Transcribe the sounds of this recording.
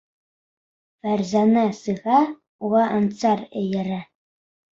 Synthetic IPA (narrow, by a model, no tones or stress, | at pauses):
fæɾzɑnɑsɤ̆ʁɑ | uʁɑʔɑnt̪sɑɾɘ̰̆jɘ̆ɾæ